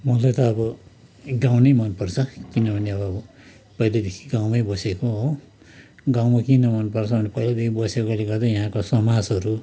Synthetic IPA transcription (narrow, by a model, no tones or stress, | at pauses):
mʌlajt̪ʌːbʌ | ɡawnʌjmʌnpʌrt͡sʰʌkinʌbʱʌneʌbʌːbʌ | pʌjlad̪ekʰi̥ɡawmʌjbʌsekoɦo | ɡawmakinʌmʌnpʌrt͡sʰʌbʌnepʌjlad̪ekʰibʌsekoleɡʌrd̪ʌjʌɦãkosʌmad͡zɦʌɾu